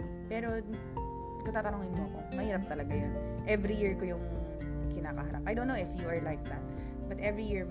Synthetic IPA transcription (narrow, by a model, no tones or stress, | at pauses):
pɛːɾo̞ | kɐt̪aːt̪ɐnoːŋɪnmoɐko̞̰mɐhiːɾɐp̚t̪ɐlɐɡajon | ʔɛvɾijɪɹkojʊŋ | kɪnaːkɐhɐɾa̰p̚ɐjdownːowɪfjuɐɹlajk̚d̪at̪̚ | bɐt̪ʔɛvɹijiɹ